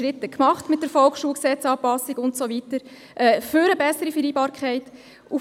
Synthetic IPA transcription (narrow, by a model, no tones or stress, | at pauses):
ɾɪtːəkmɑχtmɪt̚d̥əɾfɔlksʃuːlksɛt͡sɑːpɑsiɡʊntsoʋitəɾ | ʔɛːfʏɾəbɛsəɾifəɾiːbɑːɾkʰχɛɪt | u